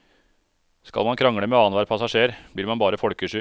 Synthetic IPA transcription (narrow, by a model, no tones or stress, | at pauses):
skɑ̰lmɑnkʰɾɑŋɽəmɛːɑːnʋɑːɾpʰɑsɑʂeːɾb̥liːɾmɑnbɑːɾəfɔɽkəʂʏ